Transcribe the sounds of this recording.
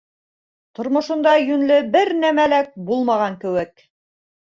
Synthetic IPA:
t̪ŏɾmŏʃŏnd̪ɑjɵnlɘbɘɾnæmælæk̚bulˠmɑʁɑŋkɘ̆wɘk̚

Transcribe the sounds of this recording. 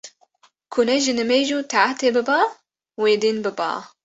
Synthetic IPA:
kʰunɛʒɪnɨmeːʒut̪ʰaʕat̪ebɨbaː | weːd̪iːnbɨba̰ː

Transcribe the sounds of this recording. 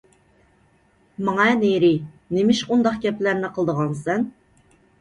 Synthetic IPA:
mɑŋɑneɾɪ | nemɪʃund̪ɑqɡʲɛplæɾnɪqʰəlˠd̪əʁɑnsɛn

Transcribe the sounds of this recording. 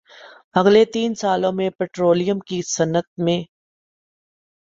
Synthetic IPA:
bɐɡlet̪iːnsaːlõmẽpɛːʈɾoːlɪjəmkisɐnət̪̚mẽ

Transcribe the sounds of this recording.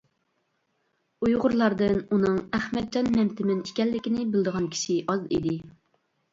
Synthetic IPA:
ujʁʊɾlˠɑɾd̪ɨnunɨŋæχmɛt̪̚d͡ʒɑnmɛmt̪ʰɪmɪnikʲɛlːɪkʲɪnɪbɪld̪əʁɑnkʲʰi̥ʃiʔɑzḭd̪ɪ

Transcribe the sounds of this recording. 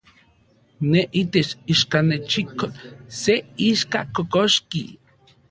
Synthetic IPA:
neʔit̪et͡ʃiʃkanet͡ʃikoseiʃkakokoʃki

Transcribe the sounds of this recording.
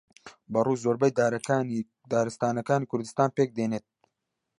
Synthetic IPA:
bɐruːzoːɾbɐjd̪aːɾ | d̪aːɾɨst̪aːnɐkaːnikʰʊɾd̪ɨst̪aːnpeːk̚d̪eːneːt̪̚

